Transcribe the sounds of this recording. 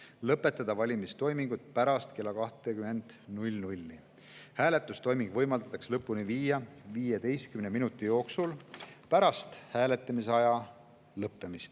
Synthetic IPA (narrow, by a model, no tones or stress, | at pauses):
lɤpːe̞t̪ːˑɑd̪̥ɑvɑlʲimist̪o̞jmiŋɡ̥ut̪̚ˑpæɾɑst̪kelːɑkɑht̪ˑekyme̞nd̪̥nulʲnulʲːi | hæːle̞t̪ːˑust̪o̞jmiŋɡ̥vɤ̞jmɑld̪ɑ̥t̪ːˑɑkslɤpːˑuniviːjɑviːjed̪e̞jst̪̚kymneminut̪ːˑijo̞ːksulpæɾɑst̪hæːle̞t̪ːˑɑmiseɑjɑ | lɤpːemist̪